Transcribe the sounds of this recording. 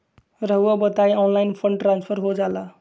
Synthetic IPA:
rʌɦwabʌt̪ajɔnlajnpʰʌɳɖʈranspʰʌɾɦod͡zala

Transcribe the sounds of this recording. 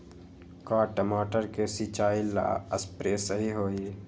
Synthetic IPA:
kaːʈəmaːʈəɾkesit͡ʃaːila̰ːəspɾeːsəɦiɦoːi

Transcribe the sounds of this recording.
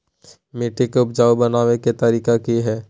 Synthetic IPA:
meːʈekʊpd͡ʒaːwbɐnaːʋeket̪ɐɾiːkakiɦɛː

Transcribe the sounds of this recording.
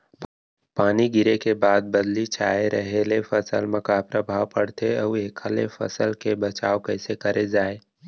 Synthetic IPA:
paːniɡɪɾekebaːd̪̚bɐd̪lit͡ʃʰaːeɾəɦelefəsəlmɐ̃kapɾəbʱaːwpəɽt̪ʰeɐʋeːkʰalefʰə̰səlkebɐt͡ʃaːokɛːsekɐɾʔed͡ʒaːe

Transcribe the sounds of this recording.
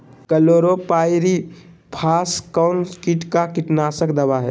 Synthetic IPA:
kəloːɾopaːjɪɾi | pʰaːskaʊnskiʈkakɪʈnaːsəkd̪ɐʋaɦɛ

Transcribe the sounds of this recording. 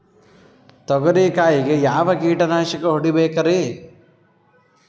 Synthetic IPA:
t̪ɔɡɐɾiːkaːjiɡejaːʋɐkiːʈɐnaːʃɐkɐɦoɽibɛːkɐɾeː

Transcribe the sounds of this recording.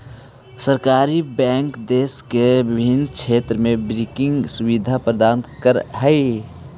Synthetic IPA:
səɾkaːɾibɛːŋkd̪eːskebɪbʱinkt͡ʃʰet̪ɾəmebɾikɪŋɡsuʋid̪ʱapɾəd̪aːnkəɾɦəɪ

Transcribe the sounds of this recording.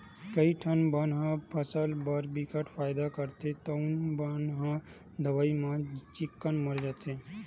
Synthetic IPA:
kəiʈʰənbənɦãpʰəsəlbəɾbikəʈʰpʰaːjd̪akəɾt̪et̪ounbənɦã | d̪əʋaimãt͡ʃɪkːənməɾd͡ʒat̪ẽ

